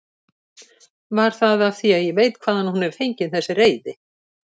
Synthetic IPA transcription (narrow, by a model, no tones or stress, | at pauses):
vaɾ̥θaðavθiaðjɛvejt̪kʰv̥aːðanhunɛɾ̥θejɲcɪnθɛsːɪreːjðɪ